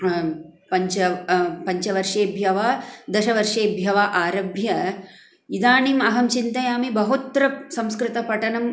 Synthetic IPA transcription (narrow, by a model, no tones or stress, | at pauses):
pɐɲt͡ʃɐpɐɲt͡ʃɐʋɐɾʂeːbʱjɐʋaːd̪ɐʃɐʋɐɾʂeːbʱjɐʋaːʔaːɾɐbʱjɐ | id̪aːɳiːmɐɦɐmt͡ʃint̪ɐjaːmibɐɦut̪ɾɐsɐmskɾɪt̪ɐpɐʈɐnɐm